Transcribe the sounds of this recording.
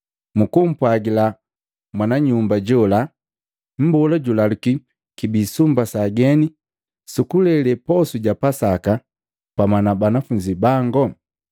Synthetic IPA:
mukum̩pwaɡila | mwanaɲumbaɟɔla | m̩bɔlaɟulaluki | kibisumbasaɡɛni | sukulɛlɛpɔsuɟapasaka | pamanabanafuɲd͡ʒibaŋɡɔ

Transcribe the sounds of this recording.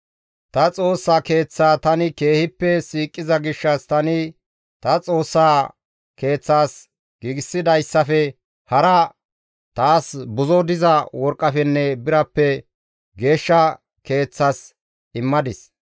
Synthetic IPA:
t̪ɐt͡sʼo̞ːsːaːke̞ːt͡sːaːt̪ɐnɪke̞ːhɪpːɛsiːkʼːɪzɐɡɪʃːɐst̪ɐnɪ | t̪ɐt͡sʼo̞ːsːaː | ke̞ːt͡sːaːs | ɡ̥iːɡɪsːɪd̪ɐjsːɐfɛ | hɐɾɐ | t̪aːsbʊzɔd̪ɪzɐwɔɾkʼːɐfɛnːɛbɪɾɐpːɛ | ɡe̞ːʃːɐ | ke̞ːt͡sːas | ɪmːɐd̪ɪs

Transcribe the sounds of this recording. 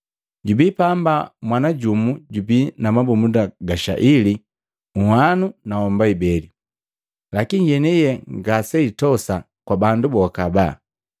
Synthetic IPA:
ɟubipambamwanaɟumuɟubinamabumudaɡaʃa̰ʔili | uhanunaɔmbaibɛli | lakinijɛnɛjɛŋɡasɛitɔsa | kwabandubɔkaba

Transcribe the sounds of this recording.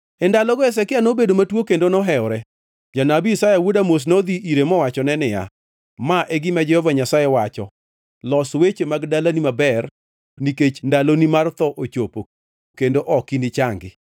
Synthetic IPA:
ɛndalɔɡɔɛs̬ɛkɪanobedomatwokendonɔɦɛɔɾɛ | d͡ʒanabiisajawudamos̬nod̪iʔiɾemɔwat͡ʃɔnɛnɪja̰ | maʔɛɡɪmad͡ʒɛhɔvaɲasajewat͡ʃɔ | lɔswet͡ʃemaɡdalanimabɛr | niket͡ʃndalonimart̪ɔʔot͡ʃopo | kendoʔɔkinɪt͡ʃaŋɡɪ̰

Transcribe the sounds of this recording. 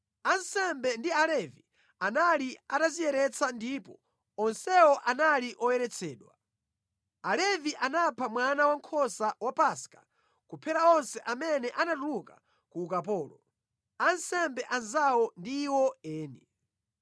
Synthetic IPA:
ansɛmbɛndialɛvi | analiatazijɛɾɛt͡sʰandiːpɔ | ɔnsɛɔʔanaliʔɔjɛɾɛt͡sʰɛːɗwa̰ | alɛviʔanapʰamwanawaŋkʰɔsawapaskḁ | kupʰɛɾaɔnsɛʔamɛnɛʔanatuluka̰ | kuːkapɔːlɔ | ansɛmbɛʔanzawɔndiːwɔɛːnɛ

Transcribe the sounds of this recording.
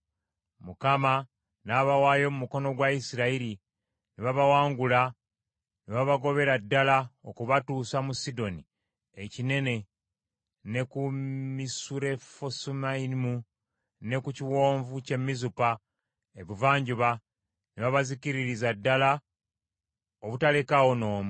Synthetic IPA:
mukama | naβawaːjo̞mumuko̞no̞ɡwaisiɾaiɾi | niβaβawaːŋɡula | niβaβaɡo̞βe̞ɾadːalaokuβatuːsamusido̞ni | ecine̞ne̞ | ne̞kumisuɾe̞fosumaimu | ne̞kuciwo̞ːɱvuce̞mːizupa | e̞βuvaːɲɟuβa | neβaβaziciɾiɾizadːala | oβutalekawono̞ːmu

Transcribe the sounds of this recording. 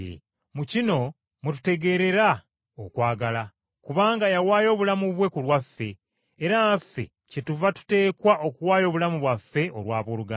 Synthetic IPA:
mucino̞ | mutu̥te̞ɡe̞ɾe̞ɾa | okwaːɡala | kuβaːŋɡajawaːjo̞ːβulamuβwe̞kulwafːe̞ː | ɾaafːe̞̰ | cetuvatu̥te̞ːkwaʔo̞kuwaːjo̞ːβulamuβwafːe̞ʔo̞̰ɾwaːβoːluɡa

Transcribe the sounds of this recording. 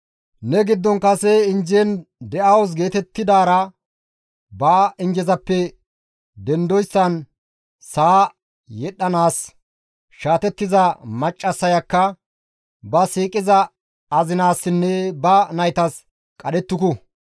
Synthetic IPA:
nɛɡɪd̪ːɔnkɐsɛɪnd͡ʒend̪ɛʔɐwɔs̬ɡe̞ːt̪ɛt̪ːɪd̪aːɾɐ | baːɪnd͡ʒɛzɐpːɛ | d̪ɛnd̪ɔjsːɐn | saː | jɛɗːɐnaːs | ʃaːt̪ɛt̪ːɪzɐmɐt͡ʃʼːɐsːɐjɐkːɐ | bɐsiːkʼɪzɐː | zɪnaːsːɪnːɛbɐnɐjt̪ɐs | kʼɐɗɛt̪ːʊkɔ

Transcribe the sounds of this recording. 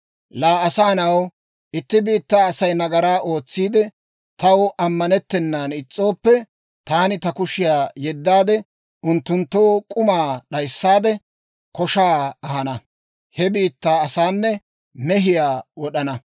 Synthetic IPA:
laːɐsaːnɐw | ʔɪt̪ːɪbiːt̪ːaːɐsɐjnɐɡɐɾaːʔo̞ːt͡sːiːd̪ɛ | t̪ɐwʔɐmːɐnɛt̪ːɛnːaːnɪt͡sʼːo̞ːpːɛ | t̪aːnɪt̪ɐkʊʃɪjaːjɛd̪ːaːd̪ɛ | ʔʊnt̪ːʊnt̪ːoːkʼʊmaːɗɐjsːaːd̪ɛ | kɔʃaːɐhɐnɐ | hɛbiːt̪ːaːɐsaːnːɛ | mɛɦɪjaːwɔɗɐnɐ

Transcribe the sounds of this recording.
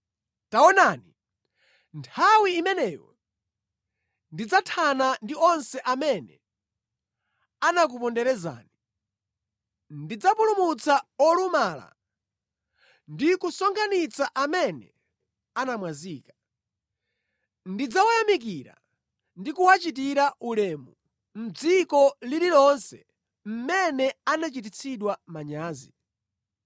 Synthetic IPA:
taɔnaːni | ntʰawiːmɛnɛːjɔ̰ | ndid͡zatʰanandiɔnsɛʔamɛnɛ̰ | anak̬upɔndɛɾɛza̰ːni | ndid͡zapulumut͡saɔlumaːla̰ | ndikusɔŋɡʰanit͡saʔamɛnɛ̰ | anamwaziːkḁ | ndid͡zawajamik̬iɾa̰ | ndikuwat͡ʃit̬iɾaʔulɛːmu | m̩d͡zikɔlililɔnsɛ̰ | m̩mɛnɛanat͡ʃit̬it͡sʰiɗwamaɲaːzi

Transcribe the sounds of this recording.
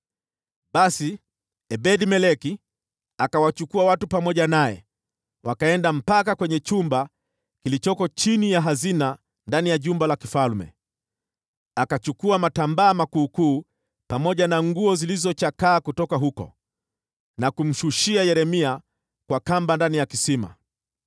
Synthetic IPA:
ɓasi | ɛɓɛɗimɛlɛki | akawat͡ʃukuawatupamɔʄanajɛ̰ | wakaɛndam̩pakakwɛɲɛt͡ʃumba | kilit͡ʃɔkɔt͡ʃinijaɦazina | ndanijaʄumbalakifalmɛ̰ | akat͡ʃukuamatambaːmakuːkuː | pamɔʄanaŋɡuɔzilizɔt͡ʃakaːkutɔkaɦukɔ̰ | nakum̩ʃuʃiajɛɾɛmia | kwakambandanijakisima̰

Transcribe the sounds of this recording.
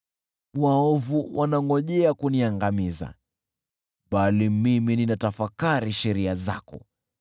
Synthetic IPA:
waɔvuwʔanaŋɡɔʄɛakuniaŋɡamiza̰ | ɓalimimininatafakaɾiʃɛɾiaza̰kɔ̰

